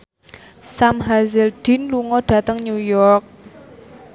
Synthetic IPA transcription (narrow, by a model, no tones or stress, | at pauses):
samɦazɪlɖ̪̥i̤nluŋɔɖ̥ä̤t̪əŋɲujɔrk̚